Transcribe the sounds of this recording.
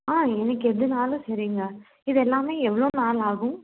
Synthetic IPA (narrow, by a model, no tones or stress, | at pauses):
aːɛnɐkːɯɛðɯnaːlʊ̃sɐɾiːŋɡɐ | ɪðɛlːaːmeːɛʋːɐɭoːnaːlaːɣʊ̃